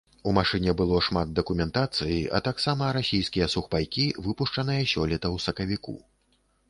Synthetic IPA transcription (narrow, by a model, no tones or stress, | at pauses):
umaʂɨnʲɛbɨlˠɔʂmat̪̚d̪ɐkumʲɛnt̪at̪sɨjiʔɐ̰t̪aksamɐɾasʲijskʲijɛsuxpajkʲivɨpuʂt͡ʂɐnɨjɐsʲɔlʲɛt̪ɐwsɐkɐvʲikṵ